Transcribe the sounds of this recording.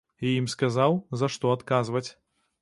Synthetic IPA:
iimskazawzɐʂt̪ɔat̪kazvɐt͡sʲ

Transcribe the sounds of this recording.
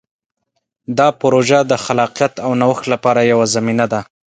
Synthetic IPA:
d̪ɑpʊɾoʒad̪əxalɑqijat̪awnawəxt̪lapɑɾajawazaminad̪a

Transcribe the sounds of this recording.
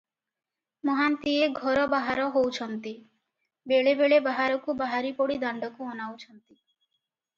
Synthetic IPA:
mɔɦant̪ieɡʱɔɾɔbaɦaɾɔɦowt͡ʃʰɔnt̪i | beɭebeɭebaɦaɾɔkubaɦaɾipɔɽid̪aɳɖɔkuɔnawt͡ʃʰɔnt̪i

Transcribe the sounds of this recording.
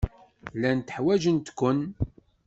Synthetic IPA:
lænt̪əħwæʒənt̪kʷːən

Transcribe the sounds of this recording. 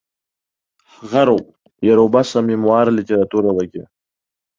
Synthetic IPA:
ɣaɾo | jaɾobasamimwɑːɾlit̪eɾat̪uɾawəkḛ

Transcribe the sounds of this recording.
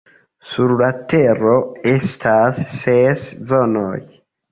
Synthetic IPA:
suɾlateɾoestʰasːeszonoj

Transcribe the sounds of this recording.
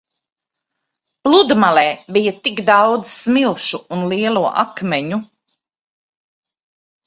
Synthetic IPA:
plˠud̪malɛːbijat̪iɡd̪awd̪zsmilˠʃuːnliɛlˠuɔʔa̰kmɛɲu

